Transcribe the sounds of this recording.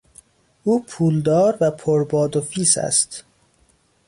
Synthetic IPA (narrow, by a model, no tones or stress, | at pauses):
ʔuːpʰuːld̪ɒːɾvæpʰoɾbɒːd̪ofiːsæ̰st̪